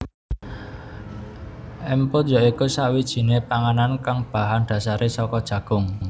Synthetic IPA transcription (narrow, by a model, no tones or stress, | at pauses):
ʔɛmpojɔikusawid̥ʒ̥i̤nepaŋanankaŋb̥ä̤ɦanɖ̪̥ä̤saɾʔesɔkɔd̥ʒ̥ä̤ɡ̥ʊ̤ŋ